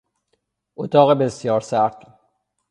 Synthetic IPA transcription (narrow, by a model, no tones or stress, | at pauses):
ʔot̪ʰɒːɣebe̞sjɒːɾsæɾt̪